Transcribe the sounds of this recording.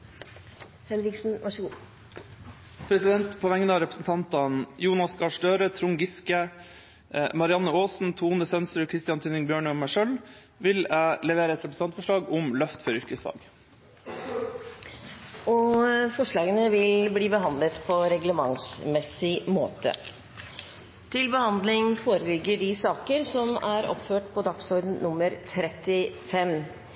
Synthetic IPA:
hɛnɾɪksn̩ʋɑʂ | pʰɾɛsɪd̪ɛnt̪pʰɔʋɛŋːnəɑɾɛpɾəsn̩t̪ʰɑnt̪ɑnjuːnɑskʰɑːʂɖøːɾət̪ʰɾʊŋɡɪskə | mɑɾɪɑnːəoːsn̩t̪ʰuːnəsœnsɾʉkʰɾɪst̪ɪɑnt̪ʰʉnɪŋbjøːɳəɔmːæʂœl | ʋɪlæɪlɛʋeːɾəɛt̪ɾɛpɾəsɑnt̪fɔʂɭɑːɡʊmlœft̪fɔɾʏɾkəsd̪ɑ̰ːɡ | ɔfɔʂɭɑːɡənəʋɪlbliːbəɦɑnd̪lət̪pʰɔɾɛɡləmɑŋsmɛsɪmo̰ːt̪ə̰ | t̪ʰɪlbəhɑnd̪lɪŋfoːɾəlɪɡːəɖɪsɑːkəɾsɔmæɾɔ̰pføːʈpʰɔd̪ɑksɔɾɖn̩nʊmːəɾt̪ʰɾɛt̪ɪfɛm

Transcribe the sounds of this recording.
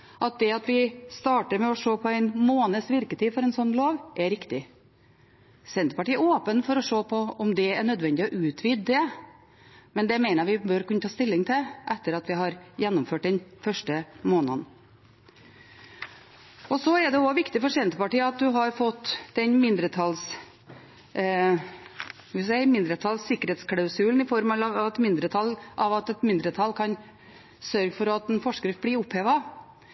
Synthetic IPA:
ʔɑt̪̚d̪ɛɑt̪ʋɪst̪ɑːʈəɾmɛɔʂoːpʰɔæɪnmoːnəsʋɪɾkət̪ʰiːfɔɾɛnsɔnːloːʋʔɛɾɪkt̪ɪ | sɛnt̪əpɑʈiːɛoːpənfɔɾɔʂoːpʰɔɔmd̪ɛæɳœd̪ʋɛnd̪ɪɔʔʉːt̪ʰʋid̪d̪ɛ | mɛnd̪ɛæmæɪnəɾʋɪbøːɾkʉnːət̪ʰɑːst̪ɪlːɪŋt̪ʰɪʔɛt̪ːəɾɑt̪ʋɪɦɑɾjɛnːʊmføːʈ̚d̪ɛnfœʂʈəmoːnə̰n | ɔsɔɛd̪ɛɔʋɪkt̪ɪfɔʂɛnt̪əpɑʈiːəɑt̪̚d̪ʉɦɑɾfɔt̪ːd̪ɛnmɪnd̪ɾət̪ʰɑls | ʋɪsɛɪmɪnd̪ɾət̪ʰɑlsːɪkːəɾhɛːt̪skʰlɑʉsʉln̩ɪfɔɾmɑlɑɑt̪mɪnd̪ɾət̪ʰɑlʔɑʋɑt̪ɛt̪mɪnd̪ɾət̪ʰɑlkʰɑn | sœɾɡəfɔɾɑt̪ɛnfɔʂkəɾɪfbliʊpheːʋɑ

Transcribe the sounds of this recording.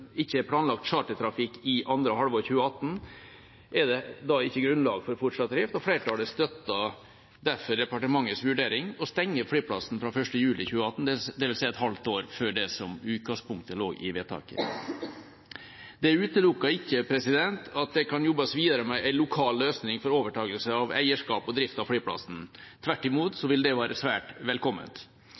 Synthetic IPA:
ɪçːəpʰlɑːnlɑk̚t̪t͡ʃɑːʈət̪ʰɾɑfɪkːɪʔɑnd̪ɾəhɑlʋoːɾçʉːəɑt̪ːn̩ | ʔɛd̪ɛd̪ɑɪçːəɡɾʉnlɑːɡfɔɾfɔʈʂɑt̪̚ːɾɪft̪ɔfleːɾəʈʰɑːləst̪œt̪ːɑ | d̪æɾfɔɾd̪ɛpɑʈəmɑŋːəsʋʉɖeːɾɪŋɔst̪ɛŋːəflyːpʰlɑsn̩fɾɑfœʂʈəjʉːlɪçʉːəɑt̪n̩d̪d̪ɛʋɪlsæɪɛt̪hɑlt̪oːɾføːɖɛsɔmʉːt̪̚kɑspʊŋkt̪əlo̰ːɡɪ̰ʋeːt̪ʰɑ̰ːkə̰ | d̪ɛæɾʉːt̪əlʊkːɑɪkːəpʰɾɛsɪd̪ɛnt̪ʰɑt̪̚d̪ɛkʰɑnjɔbːɑsʋiːd̪ɑɾəmɛʔæɪlʊkʰɑːlløːsnɪŋfɔɾoːʋəʈʰɑːɡəlsəɑʋæ̰ɪəʂkɑːpɔd̪ɾɪft̪ɑʋfɽiːpʰlɑ̰sn̩t̪ʰʋæʈːɪmuːt̪sɔʋɪld̪ɛʋæːɾəsʋæːʈʋɛlkʰɔmːə̰t̪

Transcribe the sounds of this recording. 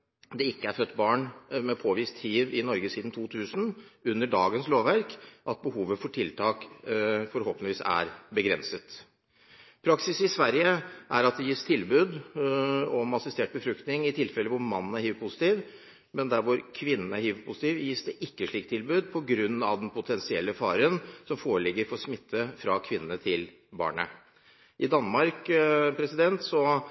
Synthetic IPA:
d̪ɛɪkːəæɾfœt̪ːbɑːɳmɛpʰoːʋiːst̪hiːʋɪnɔɾɡəsiːd̪n̩t̪ʰuːt̪ʰʉːsn̩ʉnːəɖɑːɡənsloːʋʋæɾkʔɑt̪̚bəhuːʋəfɔʈʰɪlt̪ʰɑːkfɔɾhɔːpənɪʋiːsæ̰ɾbəɡɾɛnsət̪ | pʰɾɑksɪsɪsʋæɾjəʔæɾɑt̪̚d̪ɛjiːst̪ʰɪlbʉːd̪ | ɔmɑsɪst̪eːʈ̚bəfɾʉkt̪nɪŋɪt̪ʰɪlfɛlːəʋʊɾmɑnːn̩æɾhyːʋpʰʊsɪ̥t̪iːʋ | mɛnd̪æɾʋʊɾkʰʋɪnːn̩æɾhyːʋəpʰʊsɪt̪iːʋjiːsd̪ɛʔɪkːəʂɭiːk̚t̪ʰːɪlbʉːd̪pʰɔɡɾʉn̩ːɑ̰ʋd̪ɛnpʰʊt̪ʰɛnsɪɛlːəfɑːɾənsɔmfoːɾəɭɪɡːəɾfɔɾsmɪt̪ʰːəfɾɑkʰʋɪnːnət̪ʰɪl | bɑ̰ːɳə̰ | ʔɪd̪ɑnmɑɾkpʰɾɛsɪd̪ɛnt̪sɔ

